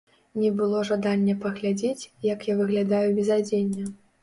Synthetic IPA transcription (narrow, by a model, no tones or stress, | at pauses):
nʲɛbɨlˠɔʐad̪anʲːɐpɐɣlʲad͡zʲet͡sʲjɐkjavɨɣlʲad̪ajubʲɛzad͡zʲenʲːɐ